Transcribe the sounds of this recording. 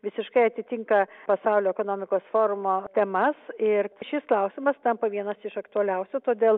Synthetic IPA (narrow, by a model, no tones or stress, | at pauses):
ʋʲɪsʲɪʃkɐɪɐt̪ʲɪt̪ʲɪŋkɐpɐsɐʊlʲoːɛkoːnoːmʲɪkoːsfoːɾʊmoːt̪ʲɛmɐsɪɾʃʲɪsklˠɐʊsʲɪmɐst̪ɐmpɐʋʲiɛnɐsɪʃɐkt̪ʊɐlʲɛʊsʲut̪oːd̪ʲeːlˠ